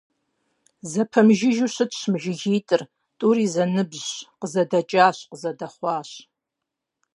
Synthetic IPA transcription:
zɐpʰɐmʒɪʒuɕɨdɕmʒɪɣiːtʼɨr | tʼuɾiːzɐnɨbzqəzɐdɐt͡ʃʼaːɕqəzɐdɐχʷɑːɕ

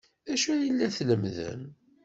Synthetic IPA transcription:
æʃujəlːæθləmðə̰n

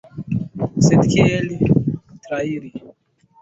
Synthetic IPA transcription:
set̪kʰelit̪ɾaiɾi

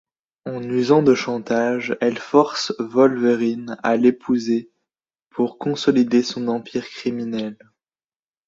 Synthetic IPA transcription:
ɑ̃nyzɑ̃d̪əʃɑ̃t̪aʒɛlfɔʁsvɔlveʁina̰lepʰuze | pʰuʁkɔ̃sɔlid̪esɔ̃nɑ̃piʁkχiminɛl

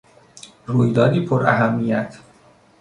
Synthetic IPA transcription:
ruːjd̪ɒːd̪iːpʰoɾæ̰ɦæmːijæt̪ʰ

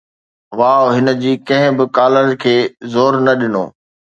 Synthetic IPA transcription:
ʋaːoɦɪnə̆d͡ʑiːkɐ̃ɦɪ̃bɪkaːləɾkʰeːzoːɾnɐɗɪno̰ː

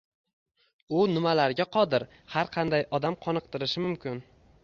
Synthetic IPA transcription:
ʊnɪmalaɾɡʲaqʰɒd̪ɪɾ | haɾqʰɑnd̪ajɒd̪amqʰɒnɨq̚t̪ɪɾɪʃɪmʊmkʲʰɪn

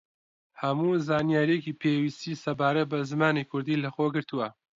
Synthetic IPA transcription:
hɐmuːzaːnjaːɾijekiːpʰeːwist̪iːsɐbaːɾɐt̪̚bɐzɨmaːnikʰʊɾd̪iːlɐxoːɡɨɾt̪uwɐ

